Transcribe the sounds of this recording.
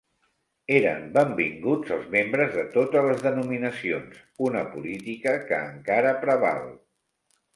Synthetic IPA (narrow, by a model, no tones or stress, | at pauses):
eɾə̰mbəmbḭŋɡud͡zəlˠzmembɾəzðət̪ot̪ələzðənuminəsions | unəpulit̪ikəkəːŋkaɾəpɾəβa̰lˠ